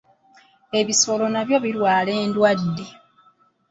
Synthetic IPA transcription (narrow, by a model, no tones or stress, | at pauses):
e̞βiso̞lo̞naβjo̞βiɾwaːle̞ːndwadde̞